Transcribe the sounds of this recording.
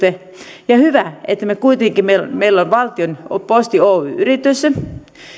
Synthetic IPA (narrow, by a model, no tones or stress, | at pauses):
t̪e | jɑhyʋæet̪ːæmekuit̪eŋkimeilmeilːonʋɑlt̪ionpost̪ioːyrit̪ys